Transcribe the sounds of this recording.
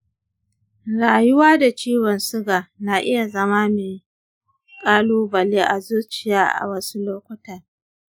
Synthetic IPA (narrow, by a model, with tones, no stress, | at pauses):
ɾaː˨jʊ˦waː˦da˨t͡ʃiː˦wɔ˨nsʊ˦ɡaː˨na˨ʔɪ˦ja˨zɐ˦ma˦meː˨ | kʼaː˦loː˦bɐ˨leː˦ʔa˨zuː˦t͡ʃɪ˨jaː˦ʔa̰˨wɐ˦su˦loː˦kʷʊ˦tɐ˨r